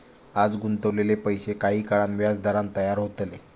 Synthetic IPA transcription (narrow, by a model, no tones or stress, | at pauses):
ad͡zɡunt̪əʋlelepəjsekaɦiːkaɭanʋjad͡zd̪aɾãnt̪əjaɾɦot̪le